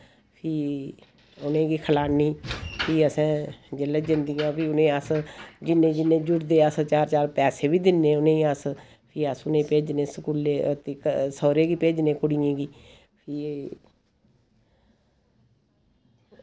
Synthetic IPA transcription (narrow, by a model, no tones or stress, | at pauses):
pʰiː | ʊnẽːɡiːkʰəlaːniːpʰiːəsɛ̃ːd͡ʒələd͡ʒɪnd̪ijãːpʰiːʊnẽːəsd͡ʒɪnːẽːd͡ʒɪnːẽːd͡ʒʊɽd̪eːəst͡ʃaːɾt͡ʃaːɾpɛːseːbiːd̪ɪnːeːʊnẽːəs | pʰiːəsʊnẽːpeːd͡ʒneːsəkuːleːt̪eːksɔːɾeːɡiːpeːd͡ʒneːkʊɽijẽːɡiː | pʰiː